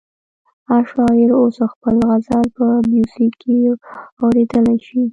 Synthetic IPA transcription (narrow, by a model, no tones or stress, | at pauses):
aʃɑɪɾosəxpəlɣazalpəmjusikʰiawɾed̪əlaʃi